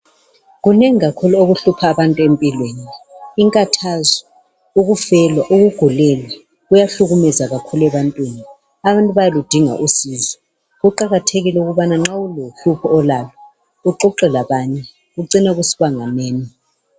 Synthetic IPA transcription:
ɣuneŋiɣakʰuluoɣuɬupʰaːβantʼuempʼilweːniːŋkʼatʰazɔ | uɣufɛlwaʔuɣuɡ̥ʱulɛlwa | ɣujaɬuɣumɛzaɣakʰulɛβantʼwiːni | aβantʼuβajalud̥ʱiŋa̰ʔusizɔ | ɣuǃaɣatʰeɣilɛuɣuβanaŋ͡ǁauloɬupʰɔːlalɔ | uǃɔǃɛlaβaɲɛ | ɣuǀinaɣusi̥βaŋaneːni

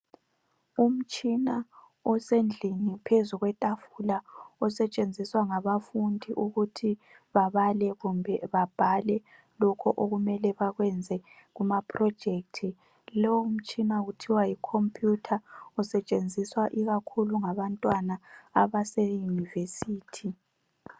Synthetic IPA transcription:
um̩t͡ʃʼina | ɔsend͡ɮʱinipʰezuɣwɛtʼafulaɔsɛt͡ʃʼend͡zʱiswaŋaβafundʱiʔuɣutʰi | βaβalɛɣumbʱɛβab̥ʱalɛ | lɔkʰɔʔoɣumɛlɛβaɣwɛnd͡zʱɛ | ɣumapʰrɔd̥d͡ʒ̥ʱek̚tʰi | lɔwm̩t͡ʃʼinautʰiwaikʰompʼjutʰausɛt͡ʃʼend͡zʱiswaʔiɣakʰuluŋaβantʼwanaaβasɛjunivesiːtʰi

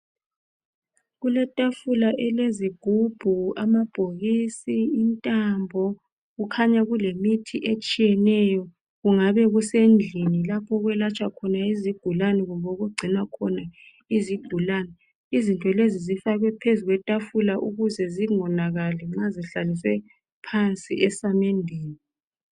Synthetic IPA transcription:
ɣulɛtʼafulaʔɛleziɡ̥ʱub̥ʱuamab̥ʱoɣisiːntʼambʱɔ | ɣukʰaɲaɣulemitʰiʔet͡ʃʼijɛnɛjɔ | ɣuŋaβɛɣusend͡ɮʱinilapʰɔɣwɛlat͡ʃʼakʰɔnaiziɡ̥ʱulanɛɣumboɣuɡ͡ǀʱinakʰɔna | iziɡ̥ʱulanɛ | izintʼɔlezizifaɣwɛpʰezuɣwɛtʼafulaʔuɣuzɛziŋɔnaɣalɛŋ͡ǁaziɬalisɛ | pʰant͡sʼḭʔɛsamendʱiːni

